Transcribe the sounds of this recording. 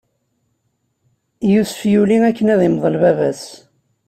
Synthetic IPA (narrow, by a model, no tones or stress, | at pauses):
jusfjuliækːənæðimðˤəlvævæs